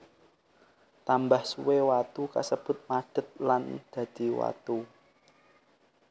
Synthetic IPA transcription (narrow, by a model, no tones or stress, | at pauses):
t̪ambahsuwewat̪uka̰səb̥ʊ̤t̪̚mad̪̥ə̤t̪̚land̪̥ä̤d̪̥i̤wa̰t̪u